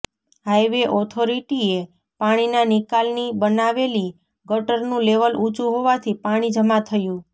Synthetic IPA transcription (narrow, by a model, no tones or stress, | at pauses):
ɦajʋeʔɔt̪ʰoɾiʈie | paɽ̃inanɪkalnibənaʋeli | ɡəʈəɾnũleʋəlut͡ʃũɦoʋat̪ʰipaɽ̃id͡ʒəmat̪ʰəjũ